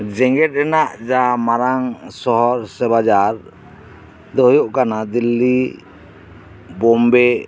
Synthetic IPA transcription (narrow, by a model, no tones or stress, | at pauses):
d͡ʒɛŋɡɛʈ̚ˀɛnaʔd͡ʒamaɾaŋsɔɦɔɾsɛbad͡ʒaɾ | d̪ɔɦjoʔkanad̪ilːi | bɔmbɛ